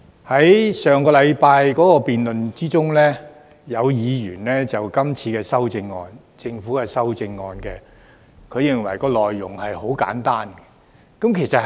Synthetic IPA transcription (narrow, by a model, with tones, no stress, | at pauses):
hɐ˨˥jsœː˨˩ŋkɔː˧lɐ˨˧jpaː˧jkɔː˨˥kɔː˧piː˨nlɵ˨nt͡siː˥t͡sʊ˥ŋlɛː˥ | jɐ˨˧wjiː˨˧jyː˨˩nlɛː˥t͡sɐ˨wkɐ˥mt͡sʰiː˧kɛː˧sɐ˥wt͡sɪ˧ŋːɔː˧n | t͡sɪ˧ŋfuː˨˥kɐ˨sɐ˥wt͡sɪ˧ŋːɔː˧nkɛ˧ | kʰɵ˨˧ɥjɪ˨˧ŋwɐ˨˩jkɔː˧lɔː˨jːʊ˨˩ŋhɐ˨jho˨˥wka̰ː˨˥nt̪aː˥nɛ˧ | kɐ˨˥mkʰe˨˩jsɐ˨t̚